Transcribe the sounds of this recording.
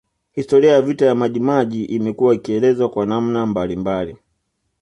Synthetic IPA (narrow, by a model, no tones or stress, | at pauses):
histɔɾiajavitajamaʄimaʄiʔimɛkuwaikiɛlɛzwakwanam̩nambalimbali